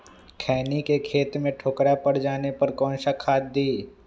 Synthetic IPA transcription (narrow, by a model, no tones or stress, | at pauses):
kʰɛːnikekʰeːt̪mẽʈʰoːkɾapɐɽd͡ʒaːnepɐɾkɔːnʃakʰaːd̪̚d̪iː